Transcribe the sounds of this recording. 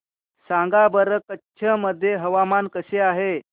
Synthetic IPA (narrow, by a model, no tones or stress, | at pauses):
sãŋɡabəɾəkətːɕʰəməd̪ʱːjeɦəʋamankəseaɦe